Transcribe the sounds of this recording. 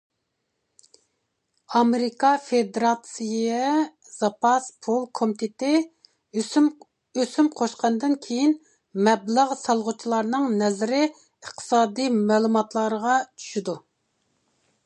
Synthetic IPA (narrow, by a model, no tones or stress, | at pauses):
ɑmeɾikɑfed̪eɾɑt̪sijɛ | z̥ɑpʰɑspʰolˠkʰomit̪ʰet̪ɪ | øsymqʰoʃqɑnd̪ɨnkʲʰejin | mɛbləʁsɑlˠʁʊt͡ʃʰilˠɑɾnɨŋnɛzɪɾɪ | əχt̪ʰɨ̥sɑːd̪imɛːlˠumɑt̪lˠɑɾəʁɑt͡ʃʰy̥ʃid̪u